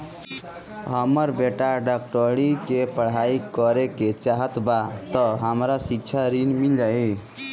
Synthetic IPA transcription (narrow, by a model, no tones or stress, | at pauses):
ɦəməɾbeʈaɖak̚ʈəɽikepəɽ̤aikəɾeket͡ʃaɦət̪bat̪ɔɦəmɾasik̚t͡ʃʰaɾinmild͡ʒai